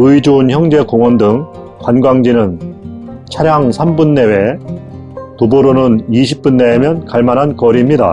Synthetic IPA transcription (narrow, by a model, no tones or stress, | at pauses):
ɯid͡ʑuːnçjʌŋd͡ʑe̞koŋwʌndɯŋ | kwanɡwaŋd͡ʑinɯn | t͡ɕʰaɾjaŋsʰambunːe̞we̞ | toboɾonɯniɕʰi̥p̚p͈unːe̞emjʌnkaɭmanɦankʌɾimɲida̰